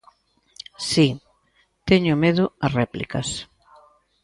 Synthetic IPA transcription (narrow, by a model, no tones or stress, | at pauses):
si | t̪ɛɲʊmeðʊɐsrɛplḭkɐs